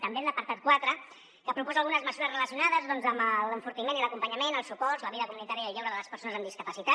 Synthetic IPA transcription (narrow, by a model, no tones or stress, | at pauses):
t̪əmbenəpəɾt̪at̪̚kwat̪ɾə | kəpɾupɔzaəlˠɣunəzməzuɾəzrələsiunaðəzðɔnzəmələɱfuɾt̪imeniləkumpəɲəmenəlˠsupɔɾləβiðəkumunit̪aɾjəəʎɛwɾəðələspəɾsonəzəmd̪iskəpəsit̪a